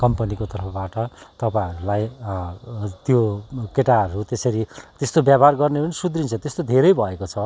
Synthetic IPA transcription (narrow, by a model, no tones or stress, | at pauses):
kʌmpʌnikot̪ʌrpʰʌbaʈʌt̪ʌpãʌɾulaj | t̪jokeʈaʌɾut̪esʌɾit̪est̪objabarɡʌrnepʌnisud̪rint͡sʰʌt̪est̪od̪ʱeɾʌjbʱʌekot͡sʰʌ